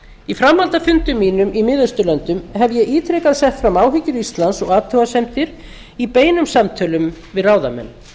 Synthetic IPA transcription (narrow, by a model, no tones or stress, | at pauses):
ifɾamːalt̪afʏnt̪ʏmːiːnʏmʔimɪðʏst̪ʏlœnt̪ʏmɦɛvjɛiːt̪ʰɾɛkaðsɛht̪fɾamaːwɦɪcʏɾist̪lansɔɣaːt̪ʰœwasɛmt̪ɪɾ | ipeːjnʏmsamt̪ʰœːlʏmvɪðraːwðamɛ̰nː